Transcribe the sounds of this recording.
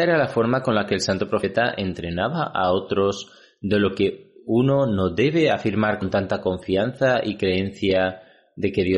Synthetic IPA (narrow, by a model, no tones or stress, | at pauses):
eɾalafo̞ɾmako̞nlake̞ːlsant̪opɾo̞fe̞t̪aʔe̞nt̪ɾenaβaʔao̞t̪ɾo̞s | d̪e̞lo̞ke̞uno̞no̞ðe̞β̞e̞afiɾmaɾkont̪ant̪ako̞ɱfian̟θaʔikɾe̞e̞n̟θja | ðe̞ke̞ðjo